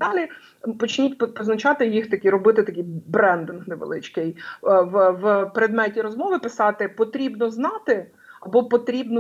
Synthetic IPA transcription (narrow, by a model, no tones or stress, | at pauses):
d̪ɑlʲi | pɔt͡ʃnʲitʲppɔznɐt͡ʃɑt̪ɪjixt̪ɐkʲiɾɔbɪt̪ɪt̪ɐkʲijbɾɛnd̪ɪnxnɛʋḛlˠɪ̰t͡ʃkɪjwwpɾed̪mɛtʲiɾɔzmɔʋɪpɪsɑt̪ɪpɔt̪ɾʲibnɔznɑt̪ɪ | ɐbɔpɔt̪ɾʲibnɔ